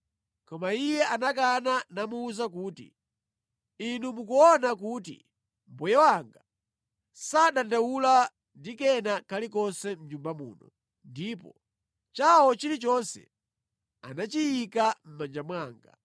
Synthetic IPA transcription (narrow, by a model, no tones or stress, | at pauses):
kɔmaijɛʔanak̬ananamuːzak̬uːtḭ | inumukuɔnakuːt̬ḭ | m̩bɔjɛwaŋɡa | saɗandawula | ndikɛnakʰalikɔnsɛm̩ɲumbamṵːnɔ̰ | ndiːpɔ̰ | t͡ʃawɔt͡ʃilit͡ʃɔnsɛ̰ | a̰nat͡ʃijikam̩mand͡ʒamwaːŋɡa̰